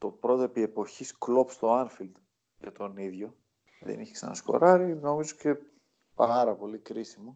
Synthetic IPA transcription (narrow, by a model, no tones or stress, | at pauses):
t̪o̞pɾo̞t̪epie̞po̞çisklo̞pst̪o̞ɐnfild̪ | ʝɐt̪o̞niðʝo̞ | ðḛniçeksɐ̰nɐ̰sko̞̰ɾɐɾino̞mizoce̞ | pɐɾɐpo̞likɾisimu